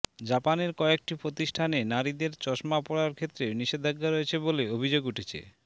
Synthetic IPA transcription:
d͡ʑapaneɾkɔek̚ʈipɾot̪iʃʈʰanenaɾid̪eɾt͡ɕɔʃmapɔɽaɾkʰet̪ːɾeniʃed̪ʱaɡːaɾojet͡ɕʰeboleobʱid͡ʑoɡuʈʰet͡ɕʰḛ

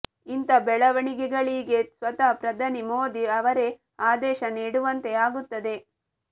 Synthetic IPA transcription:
int̪ɐbɛɭɐʋɐɳiɡɛɡɐɭiɡe̞sʋɐt̪ɐpɾɐd̪ʱɐnimoːd̪iɐʋɐɾe̞ | aːd̪ɛːʃɐniːɽuʋɐnt̪e̞aːɡut̪ːɐd̪e̞

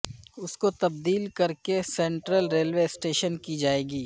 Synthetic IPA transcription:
ʊskot̪ɐb̚d̪iːlkɐɾkesẽːɳʈɾəlɾeːlweɪsʈeːʃənkid͡ʒaːeːɡiː

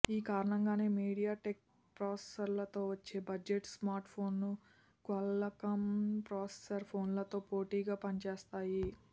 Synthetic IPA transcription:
iːkaːɾɐɳɐŋɡaːneːmiːɽijaːʈek̚ | pɾaːse̥sɐɾlɐt̪o̞ːʋɐt͡ʃːe̞ːbɐd͡ʒeʈsmaːɾʈpʰo̞ːnːu | kɐlɐkɐmpɾaːse̥sɐɾpʰo̞ːnlɐt̪o̞ːpoːʈiːɡaːpɐnt͡ʃeːst̪aːji

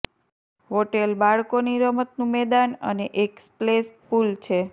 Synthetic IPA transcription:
ɦoʈelbaɭkoniɾəmət̪nũmɛd̪anə̰neʔeksplespult͡ʃʰe

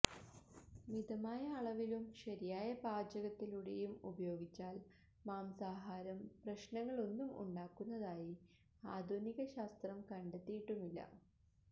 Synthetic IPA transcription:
mid̪ɐmaːjɐːɭɐʋilumɕɐɾijaːjɐbaːd͡ʑɐɣɐt̪ːiluɽejumubɐjo̞ːɡit͡ɕːaːl | maːmsaːɦaːɾɐmprɐɕnɐŋːɐɭo̞nːumṵɳɖaːkːunːɐðaːji | aːd̪ʱuniɣɐɕaːst̪rɐmkɐɳɖet̪ːijiʈːumilːɐ̰

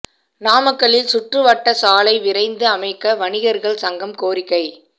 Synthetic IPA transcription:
naːmɐkːɐɭɪlsʊʈrɯʋɐʈːɐsaːlɐɪʋɪrɐɪnd̪ɯɐmɐɪkːɐʋɐɳɪɣɐɾɣɐɭsɐŋɡɐmkoːrɪkːɐɪ

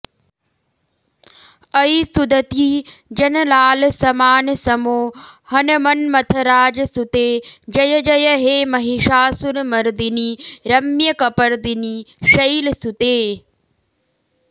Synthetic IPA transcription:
ɐisud̪ɐt̪iːd͡ʒɐnlaːlsɐmaːnsɐmoːhɐnɐmɐnmɐt̪ʰɐɾaːd͡ʒsut̪eːd͡ʒɐjɐd͡ʒɐjɐɦeːmɐɦiʃaːsunmɐɾd̪iniɾɐmjɐkɐpɐɾd̪iniʃɐilsut̪eː

